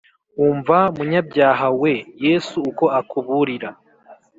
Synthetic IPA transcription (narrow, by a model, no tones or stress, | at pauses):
uːɱvaumuɲabɟjaːɦawe̞jesuːko̞akuβuɾiɾa